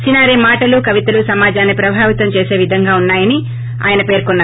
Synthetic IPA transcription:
sinaːɾeːmaːʈɐlukɐʋit̪ɐlusɐmaːd͡ʒaːnːipɾɐbʱaːʋit̪ɐmt͡ʃe̞ːse̞ːʋid̪ʱɐŋɡaːunːaːjɐni | a̰ːjɐnɐpe̞ːɾkɔnː

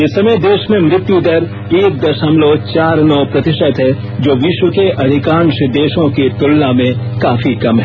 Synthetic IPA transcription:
ɪsːɐməjd̪eːʃmẽmɾɪt̪jud̪ɐɾ | eːk̚d̪ɐʃɐmlot͡ʃaːɾnɔːpɾɐt̪ɪʃət̪ɦɛ | d͡ʒoːʋɪʃwəkeʔɐd̪ʱɪkãːnʃd̪eːʃõket̪ʊlnamẽkaːfikɐmɦɛː

